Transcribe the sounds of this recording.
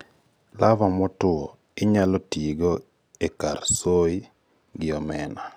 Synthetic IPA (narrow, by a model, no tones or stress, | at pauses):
lavamɔtʊɔ | ɪɲalɔtiɡo | ekarsoi | ɡɪɔmɛna